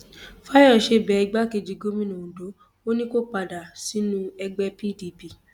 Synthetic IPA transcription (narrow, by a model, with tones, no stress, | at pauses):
fa˦jɔ˦˨ʃe˧˦˨bɛ˨ɛ˧ɡ͡ba˦ke˧d͡ʒi˧ɡo˦mĩ˦˨nũ˨ũ˨do˨˦ | o˦nĩ˦ko˦k͡pa˧˨da˨si˨˦nũ˦ɛ˧ɡ͡bɛ˧pi˦˨di˧˨pi˦˨